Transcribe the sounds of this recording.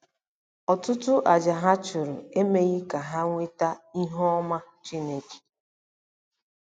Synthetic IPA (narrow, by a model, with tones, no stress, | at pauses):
ɔ˨tʊ˦tʊ˦ʔa˨d͡ʒa˨ɦa˦t͡ʃʊ˨ɾʊ̰˨e˦me˦ɣɪ˦ka˨ɦa˦ŋʷe˦ta˦i˦ɦɔ˦ɔ˦ma˦t͡ʃi˦ne˦ke̥˨